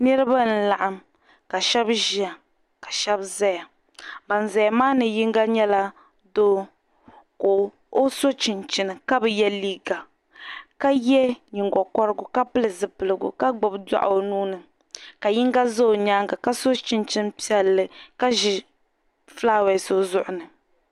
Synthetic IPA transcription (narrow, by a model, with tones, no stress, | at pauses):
nɛ˦ɾɨ˦ba˦n̩˨˦la˨ʔa˨m | ka˨ʃɛ˦bʒi˦a˨ | ka˨ʃɛ˦bza˦ja˨ | ba˨n˨za˨ja˨maː˦nɨ˨ji˦ŋɡa˦ɲɛ˦la˦ | doː˦ | ko˨ | o˦so˦t͡ʃi˨nt͡ʃi˨nɨ˨ka˦bɛ˨jɛ˦liː˦ɡa˨ | ka˦jɛ˦ɲi˨ŋɡɔ˨kɔ˦ɾɨ˦ɡʊ˨ka˦pɨ˦lɨ˨zɨ˨pɨ˨lɨ˨ɡʊ̰˨ka˦ɡ͡bʊ˨bda̰˦ʔo˨nuː˦nɨ˨ | ka˨ji˦ŋɡa˦zo˦o˨ɲaː˦ŋɡa˨ka˦so˦t͡ʃɪ˦nt͡ʃi˦n˦pi˦ɛ˨lːɨ˨ka˦ʒɪ˨ | flaː˦wɛ˨so˦zʊ˦ʔʊ˨nɨ˨